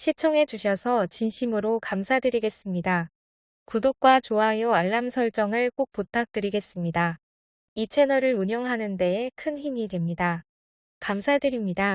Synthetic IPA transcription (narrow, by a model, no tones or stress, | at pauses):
ɕʰit͡ɕʰʌŋe̞d͡ʑuɕʰʌsʰʌt͡ɕinɕʰimɯɾokamsʰadɯɾiɡe̞s͈ɯmɲida | kudok̚k͈wat͡ɕoɦajoaɭːamsʰʌɭt͡ɕ͈ʌŋɯɭk͈ok̚p͈otʰak̚t͈ɯɾiɡe̞s͈ɯmɲida | it͡ɕʰe̞nʌɾɯɾuɲjʌŋɦanɯnde̞ekʰɯnçimidwe̞mɲida | kamsʰadɯɾimɲida